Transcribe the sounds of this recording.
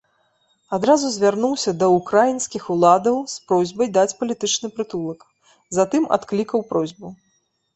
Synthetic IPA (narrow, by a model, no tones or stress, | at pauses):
ad̪ɾazuzʲvʲarnuwsʲɐd̪ɐukɾajinsʲkʲixulˠad̪ɐwspɾɔzʲbɐjd̪at͡sʲpɐlʲit̪ɨt͡ʂnɨpɾɨt̪ulˠɐk | zat̪ɨma̰t̪klʲikɐwpɾɔzʲbu